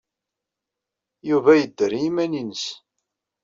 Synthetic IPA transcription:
juvæjəd̪ːəɾjimæninəs

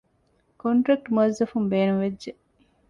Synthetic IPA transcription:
koɳʈɾɐk̚ʈmuɐzːɐfumbeːnumʋedʒe

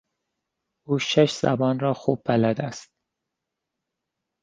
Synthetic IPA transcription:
uːʃeʃz̥æ̰bɒːnɾɒːxuːb̚pʰælæd̪æst̪̚

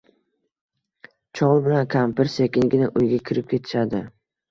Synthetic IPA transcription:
t͡ʃʰɒʁlˠbɪlankʲʰampɪɾsekʲɪnɡʲɪnɪʔʊjɡʲakʲʰɪɾɪp̚kʲʰe̞t̪ʰɪ̥ʃad̪ɪ

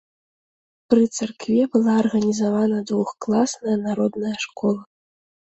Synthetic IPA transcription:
pɾɨt̪sarkvʲɛbɨlˠaɐrɣɐnʲizavanɐd̪vuxklˠasnɐjɐnaɾɔd̪nɐjɐʂkɔlˠɐ

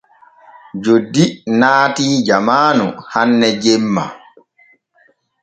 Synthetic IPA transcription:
d͡ʒodːinaːtid͡ʒamaːnṵhanːɛd͡ʒɛmːa̰

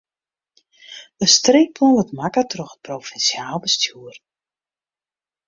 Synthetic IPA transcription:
əstreːpʰɔnʋətmakətrɔxə̥t̚profɛnsjaːlˠbəstʰjuər

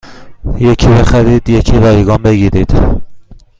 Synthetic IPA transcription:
jecʰibexæɾiːd̪jecʰiɾɒːjiɡɒːmbeɡiːɾiːd̪̥

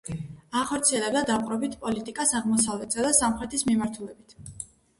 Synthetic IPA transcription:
aχɔɾt̪sʰiɛlɛblad̪aqʼɾɔbit̪ʰpʼɔlit̪ʼikʼasaʁmɔsavlɛt̪ʰsad̪asamχɾɛt̪ʰismimaɾt̪ʰulɛbit̪ʰ

